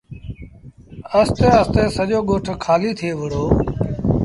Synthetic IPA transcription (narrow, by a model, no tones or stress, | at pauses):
əst̪eːəst̪eːsəʄoːɠoːʈʰkʰaːliːt̪ʰeːʋəɽoː